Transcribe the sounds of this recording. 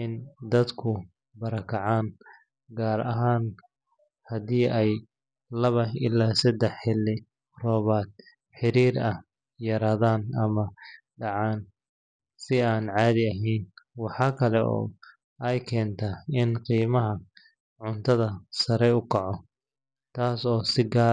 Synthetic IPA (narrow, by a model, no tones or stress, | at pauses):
ɪnd̪ɐd̪kʰʊ | bɐɾɐkʰɐʕaːn | ɡaːɾɐɦaːn | hɐðiːʔɛj | lɐβɐɪ̰lːaːsɐd̪ɛħɪlːɪ | rɔːβaːt̪̚ | ħɪɾiːɾɐh | jɐɾaːðaːnɐmɐɖɑʕaːn | sɪaːnʕɑːðɪɐɦɛjnwɑħɑːkʰɐlɛʔɔ̰ː | ɛjkʰɛːnt̪ʰaɪnqiːmɐɦɐ | ʕʊnt̪ʰɐðɐsɐɾɛjʊkʰɑʕɔ | t̪ʰaːsɔːsɪɡaː